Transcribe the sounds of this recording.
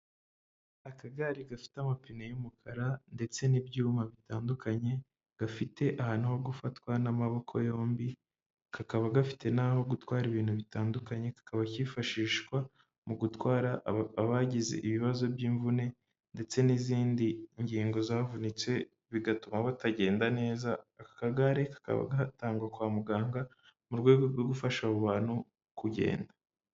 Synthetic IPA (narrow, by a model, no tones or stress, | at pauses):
akaɡaɾiɡafi̥tamapinejumukʰaɾande̞t͡se̞nibjuːmaβitaːndukʰaɲe̞ | ɡ̥afite̞ʔahaːnuho̞ɡufatkwanamaβo̞kʰo̞jo̞ːmbi | kakaβaɡafi̥te̞naːho̞ɡutwaːɾiβiːn̥huβitaːndukaɲe̞kḁkaβacifaʃiːʃkwa | muɡutwaːɾaːβaɟizḛʔiβiβazo̞bjiːɱvune̞ | nde̞t͡se̞niziːndiɲɟiːŋɡo̞zaːvunit͡swe̞ | βiɡatumaβataɟe̞ːndane̞ːzaːkḁkaɡaɾe̞kḁka̰βa̰ɡataːŋɡwakwaːmuɡaːŋɡa | muɾɡwe̞ɡoɾɡwoɡufaʃaβuβaːn̥hu | kuɟe̞̰ːnda